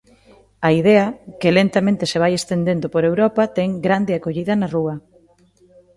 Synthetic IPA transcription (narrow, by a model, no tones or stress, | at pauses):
ɐiðɛɐkɪlent̪amẽnt̪ɪseβ̞ajest̪end̪end̪opoɾewɾɔpɐt̪ɛŋɡɾand̪ɪakoʎiðɐnaruɐ